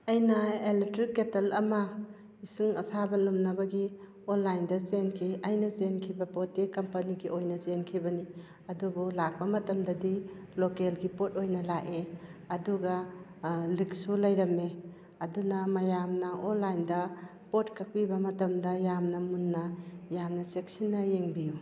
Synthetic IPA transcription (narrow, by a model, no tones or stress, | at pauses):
ɐjnɐeletɾikːetɐlɐmɐ | isiŋɐ̰sabɐlumnɐbɐɡi | onlajndɐzenkʰiɐjnɐzenkʰibɐpotːikɐmpɐniɡiʔojnɐzenkʰibɐni | ɐdubulak̚bɐmɐtɐmdɐdilokelɡipot̚ojnɐlaʔeɐduɡɐ | lik̚sulɐjɾɐme | ɐdunɐmɐjamnɐʔonlajndɐ | potkʰɐk̚pibɐmɐtɐmdɐjamnɐmunːɐjamnɐsek̚sinːɐjeŋbiju